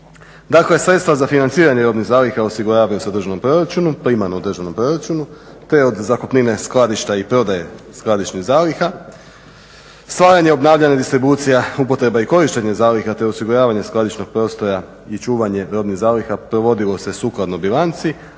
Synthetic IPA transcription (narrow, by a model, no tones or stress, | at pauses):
d̪aklesɾet̪st̪ʋazafinant̪siːɾaɲeɾo̞d̪niɣzaːlixaosiɡuɾaːʋajosd̪ɾr̩ʒano̞mpɾo̞ɾat͡ʃunuplimanod̪r̩ʒano̞mpɾo̞ɾat͡ʃunu | t̪e̞o̞d̪zakopnine̞sklˠad̪iʃt̪aipɾo̞d̪ajesklˠad̪it͡ʃniɣzaːlixa | st̪ʋaːjaɲeo̞bnaːʋʎaɲed̪ist̪ɾibut̪sijaupo̞t̪ɾe̞baiko̞ɾiʃt̪e̞ɲezaːlixat̪e̞o̞siɡuɾaːʋaɲe̞sklad̪it͡ʃno̞ɡ̚pɾo̞ːst̪o̞ɾa | it͡ʃuːʋaɲe̞ɾo̞d̪niɣzaːlixapɾo̞ʋo̞d̪ilo̞se̞suːklˠad̪nobilˠant̪si